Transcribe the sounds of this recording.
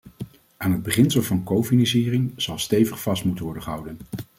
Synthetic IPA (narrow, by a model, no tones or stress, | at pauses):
aːnɦəd̚bəχɪnsəlˠvɑnkowfinɑ̃nsiːrɪŋz̥ɑlˠstejvəχfɑstmutənʋɔɹdəχəɦʌwdən